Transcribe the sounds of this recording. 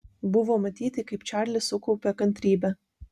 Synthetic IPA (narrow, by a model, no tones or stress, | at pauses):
bʊʋoːmɐt̪ʲiːt̪ʲɪkɐɪpt͡ʃʲæˑɾʲlʲɪsʊkɔʊpʲɛkɐnʲt̪ʲɾʲiːbʲɛ